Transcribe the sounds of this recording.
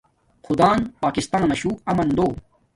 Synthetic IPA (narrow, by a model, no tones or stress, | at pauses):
xud̪aːnpaːkist̪aːnɐmɐɕuːɐmɐnd̪oː